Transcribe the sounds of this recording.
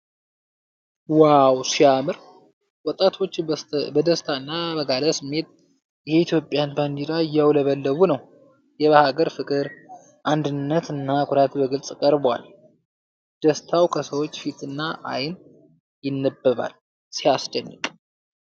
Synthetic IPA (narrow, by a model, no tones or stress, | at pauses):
wawsiamɨɾ | wɔt̪ʼːat̪ʰo̞t͡ʃːbəd̪əst̪ʰaɨnːabəɡaləsɨmːe̞t̪̚ | jɛit̪ʰjo̞pʼːjanband͡ʒiɾajːawləβəlːəβunəw | jɛβahaɡəɾfɨkʼɨɾ | ʔand̪ɨnːət̪ɨnːakʰʼuɾat̪bəɡɨlsʼkʼəɾbwa̰l | d̪̥əst̪ʰawkʰəsəwo̞t͡ʃːfit̪ʰɨnːaʔa̰jn | jɪnːəbːəβa̰l | sijasd̪ənːɨkʼ